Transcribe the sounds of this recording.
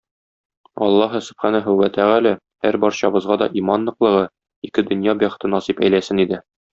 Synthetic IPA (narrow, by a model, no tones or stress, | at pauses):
ɒ̰lˠːɑɦɤsɵ̥̆bχænæɦɵwwæt̪ʰæʁælæ | hæɾbɒɾɕɑbɤ̆zʁɑd̪ɒ̰ʔimɑnlːˠɤ̆qlˠɤ̆ʁɤ | ikɘd̪ɵ̆njɑbæχɘ̥̆t̪ɤnɒsipæ̰jlæsɘnid̪ɘ